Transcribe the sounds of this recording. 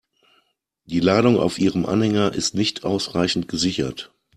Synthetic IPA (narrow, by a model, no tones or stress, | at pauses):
d̥iːlaːɾʊŋa̰ʊfʔiːʁəmʔa̰nhɛŋɐʔɪstnɪçtʰʔaʊsʁaɪçn̩tɡ̥əzɪçɐ̰t